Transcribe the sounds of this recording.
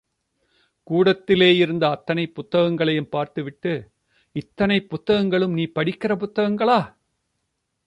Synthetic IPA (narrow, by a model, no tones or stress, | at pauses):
kuːɽɐt̪ːɪleːɪɾɯnd̪ɐːt̪ːɐnɐɪpːʊt̪ːɐɣɐŋɡɐɭɐjɯmpaːɾt̪ɯʋɪʈːɯ | ɪt̪ːɐnɐɪpːʊt̪ːɐɣɐŋɡɐɭɯmniːpɐɽɪkːɪrɐp̬ʊt̪ːɐɣɐŋɡɐɭaː